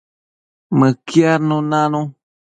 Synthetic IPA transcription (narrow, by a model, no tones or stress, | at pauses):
mɨ̃kiaɾnũnãnũ